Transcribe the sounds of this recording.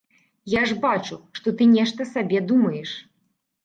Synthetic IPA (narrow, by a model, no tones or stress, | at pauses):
jaʐbat͡ʂuʂt̪ɔt̪ɨnʲɛʂt̪ɐsabʲɛd̪umɐjɛʂ